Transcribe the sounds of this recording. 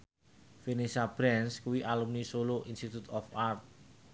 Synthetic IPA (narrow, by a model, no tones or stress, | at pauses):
fenesab̥ɾɛnskuwiʔalumnisoloʔinst̪it̪ut̪ɔfart̪̚